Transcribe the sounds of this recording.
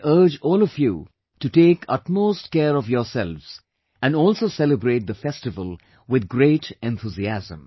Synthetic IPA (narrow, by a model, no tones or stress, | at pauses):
ʔə˞d͡ʒɔːlɔfjṵ | ʈuʈeːkʰʌtmoːsʈkɛːɾɔvjɔːɾsɛlvz̥ | æ̃nɖɔːlsoːsɛləbɾeːt̚d̪əfɛstɪvəlˠ | wɪd̪̚ɡɾeːʈɛ̃nt̪ʰuziæzə̰̃m